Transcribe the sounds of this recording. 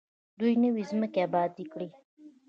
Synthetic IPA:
d̪ujnəwizməkeabɑːd̪ikɽi

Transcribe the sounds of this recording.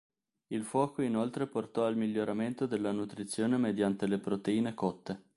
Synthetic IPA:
ilfwɔːkoinolt̪ɾeport̪ɔalmiʎːoɾament̪od̪elːanut̪ɾit̪sːjoːnemed̪jant̪elepɾot̪eiːnekɔt̪ːe

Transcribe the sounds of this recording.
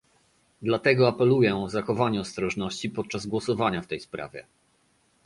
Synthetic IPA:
d̪lat̪ɛɡɔapɛlujɛɔzaxɔvaɲɛɔst̪ɾɔʐnɔɕt͡ɕipɔt̪̚t͡ʂazɡwɔsɔvaɲaft̪ɛjspɾa̰vʲjɛ̰

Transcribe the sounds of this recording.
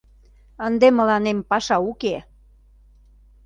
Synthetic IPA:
ənd̪emə̆lɑnempɑʃɑuke

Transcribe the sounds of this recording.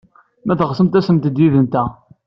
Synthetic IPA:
mæθʁsəmt̪æsəmt̪d̪jiðənt̪æ

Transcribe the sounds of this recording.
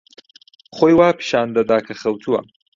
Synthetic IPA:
χoːjwaːpʰɨ̥ʃaːnd̪ɐd̪aːkʰɐχɐwt̪ʰuwɐ̰

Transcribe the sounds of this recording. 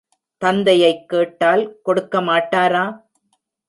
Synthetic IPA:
t̪ɐnd̪ɐjɐɪkːeːʈːaːlkɔɽɯkːɐmaːʈːaːɾaː

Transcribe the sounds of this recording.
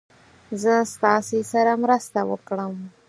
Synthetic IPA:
zəst̪ɑsesaɾamɾəst̪awə̰kɽəm

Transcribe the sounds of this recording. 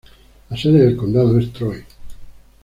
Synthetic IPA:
aseðeðelkond̪aðoest̪ɾoj

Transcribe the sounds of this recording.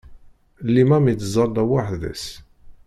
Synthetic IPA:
lːimæmit͡s̪zˤɑld̪æwaħðæ̰s

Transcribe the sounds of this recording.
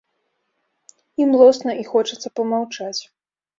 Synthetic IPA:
imlˠɔsnɐʔixɔt͡ʂɐt̪sɐpɐmawt͡ʂat͡sʲ

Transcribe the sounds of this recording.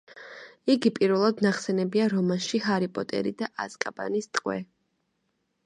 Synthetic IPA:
iɡipʼiɾvɛlˠad̪naχsɛnɛbiaɾɔmanʃihaɾipʼɔt̪ʼɛ̰ɾid̪aʔaskʼaba̰nist̪ʼqʼwɛ̰

